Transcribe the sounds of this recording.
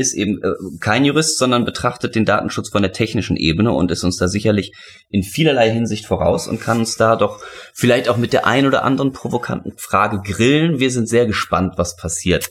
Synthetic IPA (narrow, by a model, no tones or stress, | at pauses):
ʔɪstʔḛːbm̩ːkʰaɪnjuʁ̞ɪstz̥ɔndɐnbətʁ̥aχtət̚d̥eːnda̰ːtn̩ʃʊt͡sfɔndeːɐtʰɛçnɪʃn̩ʔḛːbənəʔʊ̰ntɪstʊnsd̥aːzɪçɐlɪç | ʔɪnfiːlɐlaɪɦɪnzɪçtfoːʁa̰ʊsʊ̰ntkʰanʊnsd̥aːdɔχfɪlaɪçtaʊxmɪtd̥eːɐʔa̰ɪnʔoːdɐ̰ʔa̰ndəʁənpʁ̥ovokʰa̰ntn̩fʁ̥aːɡəɡʁɪlnviːɐzɪntz̥eːɐɡəʃpa̰ntv̥aspʰasiːɐt